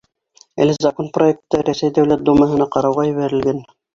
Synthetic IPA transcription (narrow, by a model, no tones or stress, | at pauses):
æ̰lɘzɐkonproek̚t̪ːɤɾæsæjd̪æwlæt̪̚d̪umɑɦɤ̆nɑqɑɾɑwʁɑjɘ̆βæɾɘ̆lɡæn